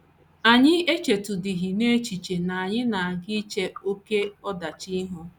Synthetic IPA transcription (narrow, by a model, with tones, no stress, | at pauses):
a˨ɲɪ˦e˦t͡ʃe˨tʊ˨dɪ˨ɦi˨ne˦t͡ʃi˨t͡ʃe˨na˨a˨ɲɪ˦na˨a˨ɡɪ˦t͡ʃe˦o˦ke˦ɔ˦da˨t͡ʃi˦ɦʊ˦